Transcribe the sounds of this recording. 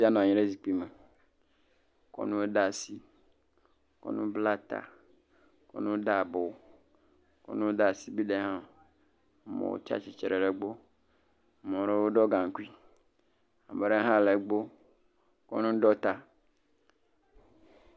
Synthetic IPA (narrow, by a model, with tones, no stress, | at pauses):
i˦a˦nɔ̃˨a˨ɲĩ˦ɖe˦zi˨k͡pi˦me˨ | kɔ̰˦nũ˦wo˦ɖa˨si˦ | kɔ̰˦nũ˦bla˦t̪a̰˨ | kɔ̰˦nũ˦wo˦ɖa˦˨bo˨ | kɔ̰˦nũ˦wo˦da˨si˦bi˦ɖe˨ɦã˦ | mḛ̃˨wo̰˦t͡ʃa̰˦t͡ʃi˨t͡ʃɾe˨ɖe˨ɡ͡bo˦ | mɔ̃˨ɾe˦wo˦ɖɔ˦ɡã˨ŋ˨ku˦i˦ | a˨me˨ɖe˦ɦã˦˨le˨ɡ͡bo˦ | kɔ̰˦nũ˦ɖɔ˦t̪a˨